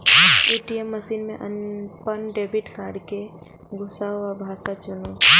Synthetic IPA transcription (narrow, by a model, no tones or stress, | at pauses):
eːʈiemːəʃiːnmḛ̃ʔənpənɖeːbʱiʈkaːɾɖke | ɡʱʊsaabʱaːsat͡ʃʊno